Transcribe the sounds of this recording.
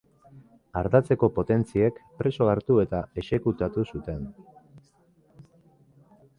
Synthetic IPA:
aɾðat͡se̞ko̞po̞t̪e̞nt͡sie̞kpɾe̞so̞aɾt̪ue̞t̪ae̞se̞kut̪at̪usut̪e̞n

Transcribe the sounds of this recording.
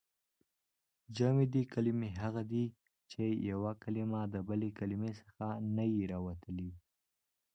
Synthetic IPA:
d͡ʒamid̪ekalimeɦaɣad̪i | t͡ʃejawakalimad̪əbəlekalimesəxanajiɾɑwat̪əli

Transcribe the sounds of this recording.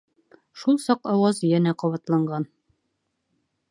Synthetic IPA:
ʃulˠsɒqɒwɑzjænæqɒβɑt̪lˠɑɴɢɑn

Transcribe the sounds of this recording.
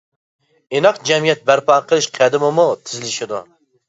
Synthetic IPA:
enɑqd͡ʒɛmijɛt̪̚bæɾpʰɑːqʰəlˠɨʃqʰæd̪ɪmɪmut̪ʰɪzɪlɪʃɪd̪u

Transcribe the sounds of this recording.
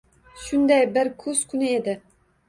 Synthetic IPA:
ʃund̪ɛjbɪɾkʰuskʲʰynɨed̪ɪ

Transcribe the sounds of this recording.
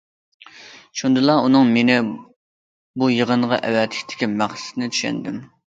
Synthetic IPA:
ʃund̪ɨlˠɑunɨŋmenɪ | bujəʁəɴʁɑ̰ʔɛ̰wɛt̪ʰlɪkʲt̪ʰɪ̥kʲimæχsɪ̥t̪ɪnɪt͡ʃ̪ʰy̥ʃɛ̰nd̪ɪm

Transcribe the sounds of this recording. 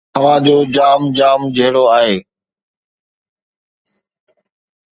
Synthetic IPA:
əʋãːd͡ʑoːd͡ʑaːmd͡ʑaːmd͡ʑəɦɪɽoaːɦeː

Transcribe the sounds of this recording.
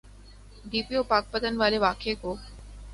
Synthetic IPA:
d̪iːpijopaːk̚pət̪ən̆ʋaːleʋaːkʰekoː

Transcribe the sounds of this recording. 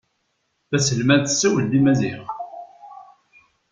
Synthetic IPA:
θæsəlmænθə̥sːæwəld̪imæziħ

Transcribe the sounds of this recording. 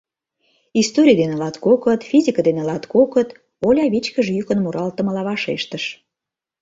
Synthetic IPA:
ist̪oɾʲijd̪enelɑt̪kokət̪fʲizʲikəd̪enelɑt̪kokət̪ | olʲɑβit͡ɕkəʒjykənmuɾɑlt̪ə̆məlɑβɑʃeʃt̪əʃ

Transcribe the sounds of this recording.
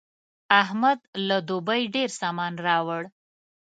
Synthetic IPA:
aɦmad̪lad̪obajɖeɾsɑmɑnɾɑwəɽ

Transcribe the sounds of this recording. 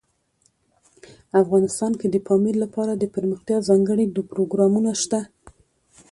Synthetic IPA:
afɣɑnɪst̪ɑnked̪əfɑmillapɑɾad̪əpəɾməxt̪jɑzɑŋɡəɽid̪upɾoɡɾɑmunaʃt̪a

